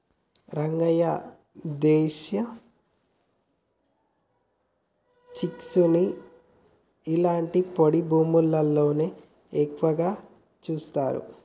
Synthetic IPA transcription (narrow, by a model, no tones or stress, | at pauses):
ɾɐŋɡɐjɐ | d̪ɛːʃɐ | t͡ʃiksuni | ilaːɳʈipoɽibʱuːmulːɐlːoːneː | eːkːʋɐɡaː | t͡ʃuːst̪aːɾṵ